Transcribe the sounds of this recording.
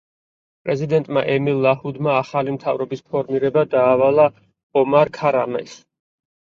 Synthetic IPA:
pʼɾɛzid̪ɛnt̪ʼma̰ʔɛmilˠːahud̪maːχalimt̪ʰavɾɔbispʰɔɾmiɾɛbad̪aːvalˠa | ɔmaɾkʰaɾamɛ̰s

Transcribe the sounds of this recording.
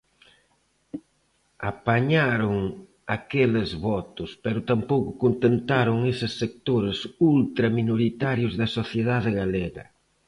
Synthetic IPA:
apaɲaɾʊŋ | akelezβɔt̪ʊspɛɾʊt̪ampowkʊkont̪ent̪aɾʊŋesɪsːek̚t̪oɾesult̪ɾɐminoɾit̪aɾjʊzðɐsoθjeð̞aðɪɣaleɣɐ̰

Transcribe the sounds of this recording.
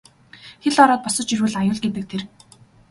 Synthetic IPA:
xeɮɔɾɔːt̪̚pɔsɞ̆t͡ɕirwɘ̆ɮajʊːɮɡet̪ɘ̆k̚t̪ʰer

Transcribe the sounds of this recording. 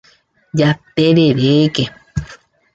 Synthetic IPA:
jat̪eɾeɾeke

